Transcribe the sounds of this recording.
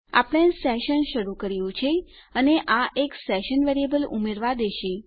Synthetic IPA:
a̰pɽ̃ẽsɛʃənʃəɾukəɾijũt͡ʃʰe | əneʔaʔeksɛʃənʋeɾijebəlṵmeɾʋad̪eʃe

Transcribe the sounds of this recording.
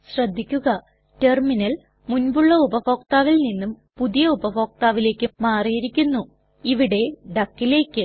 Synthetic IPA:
ɕrɐd̪ʱːikʲːuɣɐ | te̞rminɐl | munbuɭːɐubɐfo̞ːkt̪aːʋilninːum | puðijɐubɐʋo̞ːk̚t̪aːʋile̞ːkːɨmaːrijiɾikʲːunːu | iʋiɽe̞ɖɐkːile̞ːkːɨ

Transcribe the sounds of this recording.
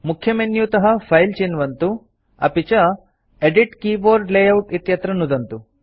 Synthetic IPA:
mukʰjɐmenjut̪ɐɦɐpʰɐjlt͡ʃeːnʋɐnt̪u | ɐ̰pit͡ʃɐ | eɖiʈkiːboːɾɖlejɐwʈit̪jɐt̪ɾɐnːud̪ɐnt̪u

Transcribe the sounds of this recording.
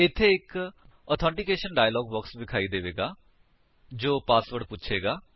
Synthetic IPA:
ɪt̪ʰːeːɪk | ɔt̪ʰɔ̃ːɳʈɪkeːʃənɖaːjəlɔːɡbɔːksbɪkʰaːiːd̪eːʋeːɡaː | d͡ʒoːpaːsʋəɖpʊtːt͡ʃʰeːɡaː

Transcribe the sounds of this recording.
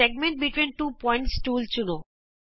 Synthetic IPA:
eɡ̚mẽɳʈ̚biʈwinʈupɔj̃ɳʈsʈult͡ɕulo

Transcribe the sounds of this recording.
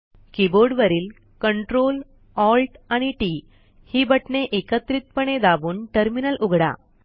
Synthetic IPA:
kiboɾɖʋəɾiːl | kəɳʈɾol | ɔlʈaɽ̃iʈi | hiːbəʈɳeʔekət̪ɾit̪̚pəɳ̃ed̪aʋuːnʈəɾminəlʔuɡʱɽa̰

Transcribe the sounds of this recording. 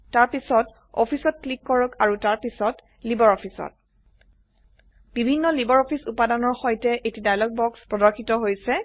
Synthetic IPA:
taɹpisɔt | ɔpʰisɔt̚klikːɔɹɔkaɹutaɹpisɔt | libɔɹɔpʰisɔ̰t̚ | b̥ibʱinːɔlibɔɹɔpʰisupadanɔɹxɔjtɛʔetidajlɔɡ̚bɔkspɹɔdɔɹkʰitɔɦojsɛ

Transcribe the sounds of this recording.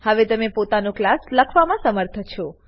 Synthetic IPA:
həʋet̪əmepot̪anõklasləkʰʋamãsəməɾt̪ʰət͡ʃʰɔ

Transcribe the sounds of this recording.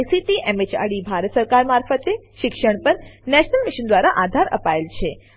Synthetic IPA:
jsiʈ̪iʔɛmet͡ʃa̰ɽibʱaɾəsəɾkaɾmaɾfət̪eʃɪkʃəɳpəɾnɛʃnəlmiʃənd̪ʋaɾaʔad̪ʱaɾʔə̰paelt͡ʃʰe

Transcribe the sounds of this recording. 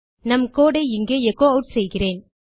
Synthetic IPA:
nɐmkoːɽɐɪɪŋɡeːɛkːoːɐʈsɛjɣɪreːn

